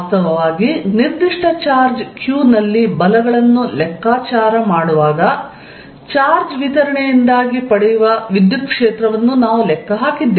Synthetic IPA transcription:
st̪ɐʋɐʋaːɡiniɾd̪iʂʈʰɐt͡ʃaːɾd͡ʒkjuːnɐlːibɐlɐɡɐɭɐnːulɛkʰːaːt͡ʃaːɾɐmaːɽuʋaːɡɐ | t͡ʃaːɾd͡ʒʋit̪ɐɾɐɳejind̪aːɡipɐɽɛjuʋɐʋid̪jut̪̚kʂeːt̪ɾɐʋɐnːunaːʋulɛkʰːɐɦaːkid̪ːe

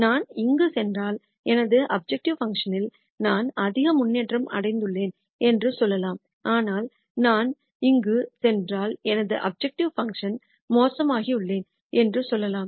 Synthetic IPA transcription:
naːnɪŋɡɯsɛndraːl | ɛnɐðɯʔɐb̚d͡ʒɛk̚ʈɪʋfɐŋkʂɐnɪl | naːnɐðɪɣɐmʊnːeːʈrɐmʔɐ̰ɽɐɪnd̪ɯɭːeːn | ɛndrɯsɔlːɐlaːm | ʔaːnaːl | naːn | ɪŋɡɯsɛndraːlɛnɐðɯʔɐ̰b̚d͡ʒɛk̚ʈɪʋfɐŋkʂɐn | moːsɐmaːɣiɯɭːeːn | ɛndrɯsɔlːɐlaːm

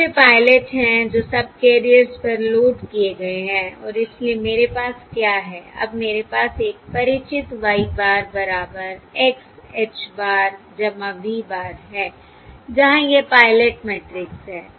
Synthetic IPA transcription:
epaːɪleʈɦɛ̃d͡ʒoːsɐb̚keːɾiəɾspɐɾloːʈkieɡɐeɦɛ̃ːɔ̰ːɾɪsliemeːɾepaːskjaːɦɛːɐ̰bmeːɾepaːseːk̚pɐɾɪt͡ʃɪt̪ʋaːibaːɾbɐɾaːbəɾekset͡ʃbaːɾ | d͡ʒɐmãbʱibaːɾɦɛː | d͡ʒɐɦãjepaːɪleʈmɛːʈɾɪksɦɛː

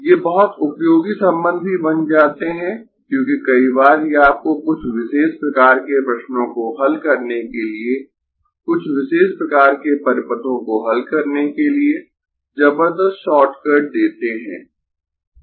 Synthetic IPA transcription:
jeːbɐɦʊt̪ʊpjoːɡisɐ̃mbə̃nd̪̚ʱbibɐnd͡ʒaːt̪eɦɛ̃ | kjõːkikɐibaːɾjeaːp̚kokʊt͡ʃʰwɪʃeːʃpɾɐkaːɾkepɾɐʃnõkoɦɐlkɐɾnekelie | kʊt͡ʃʰwɪʃeːʃpɾɐkaːɾkepɐɾɪpət̪õkoɦɐlkɐɾnekelie | d͡ʒɐbəɾd̪əst̪ʃɔːʈkəɾɖ̚d̪eːt̪eɦɛ̰̃ː

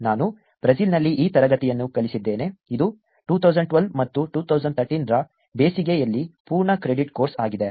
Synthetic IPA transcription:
naːnu | b̥ɾɐd͡ʒiːlnɐlːiʔiːt̪ɐɾɐɡɐt̪ijɐnːukɐlisid̪ːe̞ːne̞id̪u | ʈuːt̪ʰɐwzɐɳɖ̚ʈʋɐlmɐt̪ːuʈuːt̪ʰɐwzɐɳʈt̪ʰɐɾʈiːnɾɐ | beːsiɡejɐlːipuːɾɳɐkɾeɖiʈko̞ːɾsaːɡid̪e

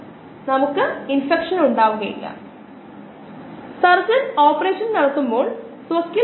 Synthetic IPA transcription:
nɐmukːɨinfekʂɐnuɳɖaːʋuɣɐjḭlːɐ̰ | sɐrt͡ɕɐnoːpːɐreːʂɐnnɐɽɐt̪ːumbo̞ːɭ | swɐkːi

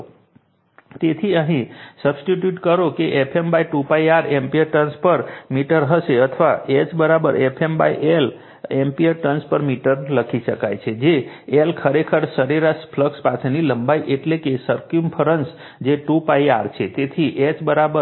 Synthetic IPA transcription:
t̪et̪ʰiəɦĩsəbsʈiʈjuʈkəɾokeʔepʰembaiʈupaiaɾempiəɾʈənspəɾmiʈəɾɦəseət̪ʰəʋaet͡ʃbəɾabəɾepʰemba̰iʔel | empiəɾʈənspəɾmiʈəɾləkʰisəkajt͡ʃʰed͡ʒeelkʰəɾekʰəɾsəɾiɾaspʰləkspat͡ʃʰniləmbaiʔeʈlekesəɾkjumpʰəɾəns | d͡ʒeʈupaiaɾt͡ʃʰet̪et̪ʰiʔet͡ʃbəɾabə

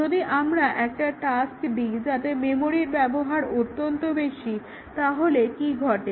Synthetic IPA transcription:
d͡ʑod̪iʔamɾaʔɛk̚ʈaʈaskd̪id͡ʑat̪ememoɾiɾbɛboɦaɾot̪ːont̪obeʃi | t̪aɦolekiɡʱɔʈe

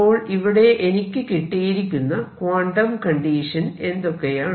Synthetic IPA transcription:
oːɭiʋiɽe̞ʔenikʲːɨkiʈːijiɾikʲːunːɐkwaːɳɖɐmkɐɳɖiːʂɐne̞nd̪o̞kːe̞jaːɳ

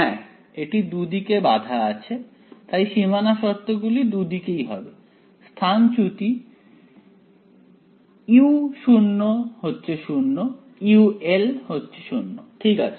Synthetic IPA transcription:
ɛ | eʈid̪ud̪ikebad̪ʱaat͡ɕʰe | t̪ajʃimanaʃɔɾt̪oɡulid̪ud̪ikejɦɔbe | st̪ʰant͡ɕut̪i | iuʃunːoɦotːɕʰeʃunːo | iuelhotːɕʰe̥ʃunːoʈʰikat͡ɕʰe

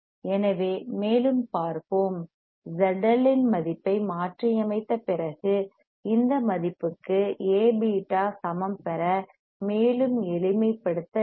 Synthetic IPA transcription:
ɛnɐʋeːmeːlɯmpaːɾpoːm | d͡ʒɐɖɐlɪnmɐðɪpːɐɪmaːʈriɐmɐɪt̪ːɐpɪrɐɣɯ | ɪnd̪ɐmɐðɪpːɯkːɯeːbiʈːaːsɐmɐmpɛɾɐ | meːlɯmɛlɪmɐɪpːɐɽɯt̪ːɐ

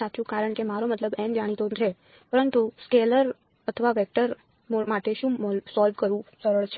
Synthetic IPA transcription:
at̪ũkaɾəɳ̃kemaɾomət̪ləbɛmd͡ʒaɽ̃it̪onɾʰe | pəɾənt̪uskeləɾ | ət̪ʰəʋaʋɛk̚ʈəɾ | mmaʈeʃũmlsɔlʋkəɾʋũsəɾəɭt͡ʃʰ

